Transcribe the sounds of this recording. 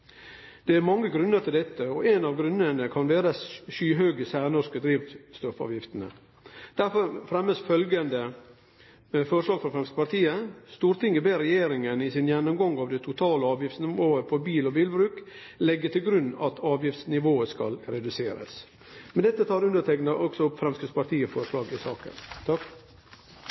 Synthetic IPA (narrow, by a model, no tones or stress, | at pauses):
d̪̥ɛæɾmɑŋːəɡɾʉnːəɾʈ̪ʰɪld̪ɛt̪ːəɔʔɛnɑʋɡɾʉnːənəkʰɑnʋeːɾəsʃyːɦøːɡəsæːɾnɔʂkəd̪ɾiːʋt̪st̪ɔfɑ̰ːʋjɪft̪ənə̰ | d̪̥æɾfɔɾfɾɛmːəsfœlɡənd̪ə | fɔɾʂɭɑːɡfɾɔfɾɛmsə̥pɑɾt̪iːəst̪uːɾt̪ɪŋːəbeːɾɛjeːɾɪŋənɪsɪnjɛnːɔmɡɔŋɑʋd̪ɛt̪ʰʊt̪ʰɑːləɑːʋjɪft̪snɪʋoːəpʰɔbiːlɔbɪlbɾʉːk | lɛɡːət̪ɪlɡɾʉnːɑt̪ʰɑːʋjɪft̪snɪʋoːəskɑ̰lɾɛd̪ʉseːɾə̰s | mɛnd̪ɛt̪ːət̪ʰɑːɾʉnd̪ət̪ʰɛknɑʔɔksɔʊpfɾɛmskəspɑɾt̪ʰiːəfɔɾəʂlɑːɡɪsɑːkə̰nt̪ʰɑk